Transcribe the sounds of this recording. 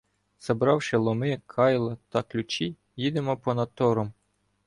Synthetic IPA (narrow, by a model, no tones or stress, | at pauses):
sɐbɾɑwʃɪlˠɔmɪkʰɑjlˠɐt̪ɑklʲʊt͡ʃi | jid̪ɪmɔpɔnɐt̪ɔɾɔm